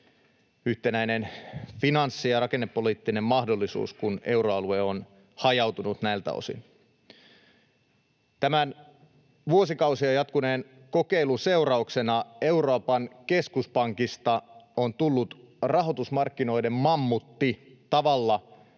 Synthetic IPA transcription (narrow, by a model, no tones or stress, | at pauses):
yht̪e̞næjne̞nfinɑnsːijɑrɑke̞nːepːo̞liːt̪ːine̞mːɑhdo̞lːisṵːskune̞wɾo̞ɑlueon | hɑjɑwt̪unut̪næilt̪æ̰o̰sḭn | t̪æmæn | ʋuosikɑusiɑjɑt̪kuneːn | ko̞ke̞jluse̞uɾɑukse̞nɑe̞uɾoːpɑnke̞skuspɑŋkist̪ɑont̪ulːut̪ | rɑɦo̞t̪usmɑrkːino̞ijde̞mmɑmːut̪ːi | t̪ɑʋɑlːɑ